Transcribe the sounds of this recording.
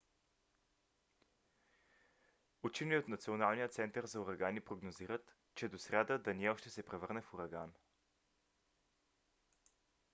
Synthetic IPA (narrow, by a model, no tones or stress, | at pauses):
ut͡ʃiniot̪nɐt̪sionalˠnijət̪sɛnt̪əɾzɐuɾɐɡanipɾoɡnoziɾət̪ | t͡ʃɛd̪osɾʲad̪əd̪ɐniɛɔʃt̪ɛsɛpɾɛvɤɾnɛfuɾɐɡan